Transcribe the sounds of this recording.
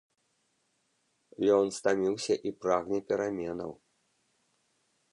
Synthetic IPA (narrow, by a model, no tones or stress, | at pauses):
jɔnst̪amʲiwsʲɐʔipɾaɣnʲɛpʲɛɾamʲɛnɐ̰w